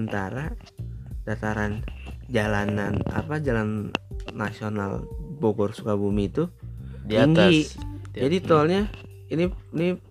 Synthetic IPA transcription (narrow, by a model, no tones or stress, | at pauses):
ənt̪aɾa | d̥at̪aɾand͡ʒalanana̰pad͡ʒalanːasiona̰lboɡɔrsukabumit̪udiiŋɡid͡ʒadit̪ɔlɲa | inini